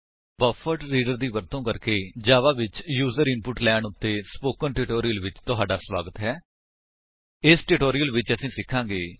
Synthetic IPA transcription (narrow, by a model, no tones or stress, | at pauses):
bəfəʈɾiːɖəɾd̪iːʋəɾt̪õːkəɾkeːd͡ʒaːʋaːʋɪt͡ʃjuːzəɾɪnpʊʈlɛːɳʊt̪ːeːspoːkənʈɪʈoːɾijəlʋɪt͡ʃt̪ʊɦaːɖaːsʋaːɡət̪ɦɛː | ɪsʈɪʈoːɾɪjəlʋɪt͡ʃəsĩːsɪkʰːãːɡeː